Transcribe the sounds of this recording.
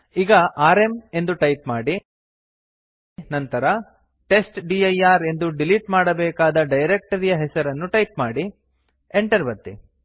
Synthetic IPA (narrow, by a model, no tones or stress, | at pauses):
iɡɐʔaːɾe̞me̞nd̪uʈɐjpmaːɽi | nɐnt̪ɐɾɐ | ʈe̞sʈɖiːɐjaːɾe̞nd̪uɖiliʈmaːɽɐbɛːkaːd̪ɐɖɐjɾek̚ʈɐɾijɐɦɛsɐɾɐnːuʈɐjpmaːɽi | eɳʈɐɾbɐt̪ːḭ